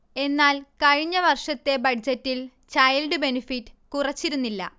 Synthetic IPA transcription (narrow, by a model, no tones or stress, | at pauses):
e̞nːaːlkɐɻiɲːɐʋɐrʂɐt̪ːe̞bɐd͡ʑɐtːil | t͡ɕɐjlɖɨbe̞nifitːɨ̥kurɐt͡ɕːiɾunːilːɐ̰